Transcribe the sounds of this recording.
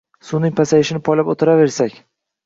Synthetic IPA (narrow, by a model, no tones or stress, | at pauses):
sunɪŋʲpʰasajɪʃɪnɪpʰɒjlapot̪ʰɪɾave̞ɾsakʲ